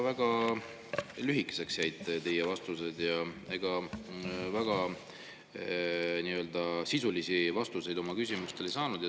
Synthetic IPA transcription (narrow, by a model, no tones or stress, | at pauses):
væɡ̥ɑ | lyɦikːˑe̥se̞ksjæjd̪t̪e̞jːevɑst̪use̞d̪̥jɑe̞ɡ̥ɑ | væɡ̥ɑ | niø̞ld̪̥ɑsisulisivɑst̪use̞jd̪o̞mɑkys̬ʲimust̪e̞le̞jsɑːnud̪̥j